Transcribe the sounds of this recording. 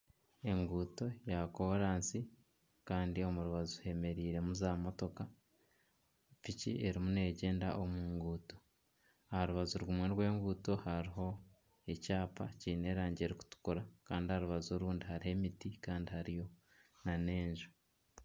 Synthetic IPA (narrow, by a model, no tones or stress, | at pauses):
e̞ŋɡuːto̞jako̞ɾaːnsi | kaːndio̞muɾuβazuhe̞me̞ɾiːɾe̞muzaːmo̞to̞ka | ficḭʔe̞ɾimune̞ːɟe̞ːnda̰ʔo̞muːŋɡuːto̞ | ahaɾuβazuɾwumweɾwe̞ːŋɡuːto̞haɾiɦo̞ | e̞caːpaciːne̞ːɾaːɲɟeɾiku̥tu̥kuɾakaːndihaɾuβazoɾuːndihaɾiɦe̞mitikaːndihaɾijo̞ | nane̞ːɲʒu̥